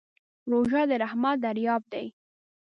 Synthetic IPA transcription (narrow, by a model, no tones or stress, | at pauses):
ɾoʒɑd̪əɾahmɑd̪aɾjɑb̚d̪aj